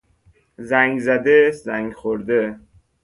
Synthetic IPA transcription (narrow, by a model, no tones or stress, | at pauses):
zæŋɡzæd̪ezæŋɡxoɾd̪e